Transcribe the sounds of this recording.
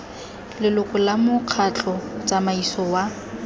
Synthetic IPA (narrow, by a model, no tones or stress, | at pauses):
lɪlʊkʼʊlamʊq͡χʰat͡ɬʼɔt͡sʼamaisɔwa